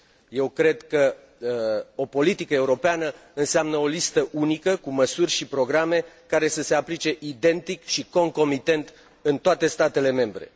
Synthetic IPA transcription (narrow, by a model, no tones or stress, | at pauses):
je̞wkɾe̞d̪kə | o̞po̞lit̪ikəeuɾo̞peanəɨnseamnəo̞list̪əʔunikəkuməsurʲʃipɾo̞ɡɾame̞ | kaɾe̞səse̞aplit͡ʃe̞ʔid̪e̞nt̪ikʃiko̞ŋko̞mit̪e̞nt̪ | ɨnt̪oat̪e̞st̪at̪e̞le̞me̞mbɾe̞̰